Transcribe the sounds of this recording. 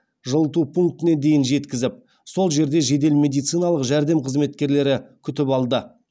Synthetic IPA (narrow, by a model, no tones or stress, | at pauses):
ʒəlˠət̪̬upʰuŋk̚t̪ɪne̞d̪e̞jɪnʒe̞t̪kʲɪzɪp̚ | so̞lˠʒe̞ɾd̪e̞ʒe̞d̪e̞lmʲe̞d̪ijt̪sɨjnɑlˠəqʒæɾd̪e̞mqʰəzme̞t̪kʲe̞ɾle̞ɾɪkʲʰʏt̪ɪpɑlˠd̪ə